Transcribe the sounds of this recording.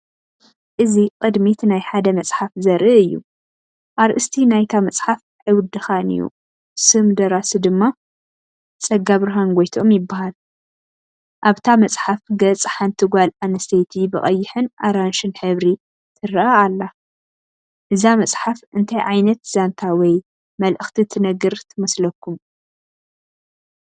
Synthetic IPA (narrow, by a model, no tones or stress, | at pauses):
ʔɨziqʼɨd̪mit̪ʰnajħad̪ɐmɐsʼħafzɐɾʔɨɨjːṵ | ʔaɾʔɨst̪ʰinajt̪ʰamɐt͡sʼħaf | ħɨwd̪ɨxanɨ̰jːṵ | sɨmd̪ɐɾasɨd̪ɨmːa | t͡sʼɐɡːaβɾaɦanɡʷojt̪ʰo̞mjɪbːahal | ʔaβt̪ʰamɐt͡sʼħafɡɐt͡sʼħant̪ʰɨɡʷalanɐst̪ʰɐjt̪ʰibɨχʼɐjːɪħɨnʔaɾanʃɨnħɨβɾi | t̪ʰɨɾʔaːlːa | ʔɨzamɐst͡sʼħafɨnt̪ʰajʕajnɐt̪z̥ant̪ʰawɔj | mɐlʔɨxt̪ʰit̪ʰɨnɐɡɨɾt̪ʰɨmɐslɐkːum